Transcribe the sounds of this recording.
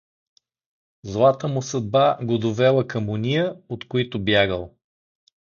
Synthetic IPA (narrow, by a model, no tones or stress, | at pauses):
zlˠat̪əmʊsɐd̪̚baɡod̪ovɛlˠəkɐmʊnʲijəot̪koit̪ʊbjaɡəlˠ